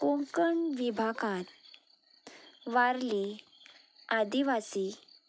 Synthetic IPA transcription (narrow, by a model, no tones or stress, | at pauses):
koŋkəɳʋibʱakãt̪̚ | ʋaɾle | ad̪iʋasi